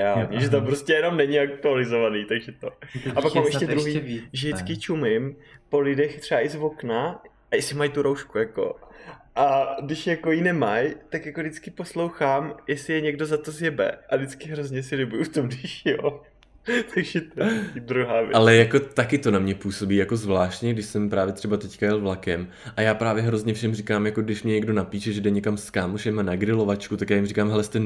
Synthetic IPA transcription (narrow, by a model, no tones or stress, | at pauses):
jaʒɛt̪̬ampɾoscɛjɛno̞mnɛɲɪak̚t̪ualɪzovaniːt̪aɡʒɛt̪oapakmaːmʔɛʃʃcɛdɾuɦiːʒɛdɪt͡skɪt͡ʃumɪmpo̞lɪdɛxt̪r̥ɛaʔɪzvo̞kna | ʔajɛsɪmajt̪uɾowʃkujako̞̰ʔadɪʃjako̞jinɛmajt̪akjako̞dɪt͡skɪpo̞slo̞wxaːmjɛsɪjɛɲɛɡdozat̪o̞zjɛbɛ̰ʔadɪt͡skɪɦɾozɲɛsɪlɪbujuft̪omdɪʃjoː | t̪ʰaɡʒɛt̪d̪ɾuɦaːvjɛ̰ʔalɛjako̞t̪akɪt̪onamɲɛpuːso̞biːjakozvlaːʃtɲɛɡ̚dɪʃsɛmpɾaːvjɛt̪r̥ɛbat̪ɛckajɛlvlakɛm | ʔajaːpɾaːvjɛɦɾo̞zɲɛfʃɛmrikaːmjako̞ɡdɪʃmɲɛɲɛɡdo̞napiːʃɛʒɛdɛɲɛkamskaːmuʃɛmanaɡɾɪlo̞vat͡ʃkut̪akjaːjɪmrikaːmɦɛlɛst̪ɛn